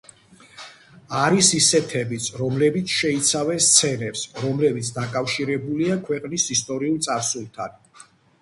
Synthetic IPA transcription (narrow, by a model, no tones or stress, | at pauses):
aɾisisɛt̪ʰɛbit̪sʰɾɔmlɛbit̪sʰʃɛit̪sʰavɛnst̪sʰɛnɛpsɾɔmlɛbit̪sʰd̪akʼafʃiɾɛbuliakʰwɛqʼnisist̪ʼɔɾiulˠt̪sʼaɾsulˠt̪ʰan